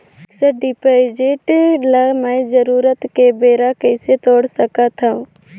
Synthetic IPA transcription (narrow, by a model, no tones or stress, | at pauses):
səɖɪpaɪd͡ʒeʈləmɛ̃d͡ʒəɾuːɾət̪kebeːɾakɛːset̪oːɽsəkat̪ʰaũ